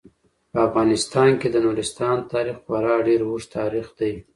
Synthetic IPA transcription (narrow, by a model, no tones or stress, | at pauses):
pəafɣɑnɪst̪ɑnked̪ənuɾɪst̪ɑnt̪ɑɾixxwaɾɑɖeɾuʂt̪ʰɑɾixd̪aj